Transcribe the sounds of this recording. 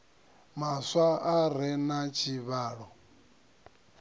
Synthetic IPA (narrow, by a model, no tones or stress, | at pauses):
maswaʔaɾɛnat͡ʃʰiβaːɺɔ